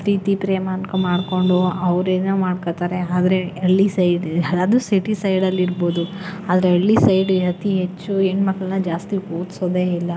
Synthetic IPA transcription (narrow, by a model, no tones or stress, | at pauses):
ɾiːt̪ipɾeːmaːnkɐmaːɖko̞ɳɖuɐʋɾeːnuːmaːɖkoːt̪aːɾeaːd̪ɐɾe̞ɐɭːisɐjɖaːd̪usiʈisɐjɖɐlːiɾbo̞ːd̪u | aːd̪ɐɾeɐlːisɐjɖɦɐt̪iɦet͡ʃːueːnmɐkɭɐnːɐd͡ʒaːst̪ikoːt̪soːd̪e̞ːilːɐ